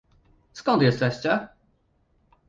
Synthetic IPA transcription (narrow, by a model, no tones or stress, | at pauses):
skɔnt̪jɛst̪ɛɕt͡ɕɛ